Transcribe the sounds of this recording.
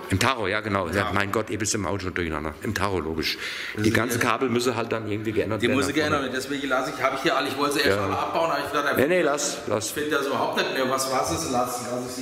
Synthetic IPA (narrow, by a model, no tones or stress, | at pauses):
ʔɪmtʰaʁoːjaːɡənaʊamaɪnɡɔtʔeːbɪstɪmʔa̰ʊʃoːndʊɐçana̰ndɐ̰ʔɪmtʰaʁoloːɡɪʃ | iːɡant͡səkʰaːbl̩mʏs̬əɦalt̚d̥anʔɪɐɡŋ̩tv̥iːɡəʔɛndɐtd̥ieːɐmsəɡəɛndɐtveːndɛsv̥eːɡŋ̩lasəɪçhaːbəɪçhiːɐʔaləɪçv̥ɔltzəeɐsmmaʔap̚b̥aʊnhabɐɪçdaːdeɐnenelaslʔa̰sfetdasyːbɐhaʊp̚tnɛtmeːɐvasvaːsɛslaslasɪ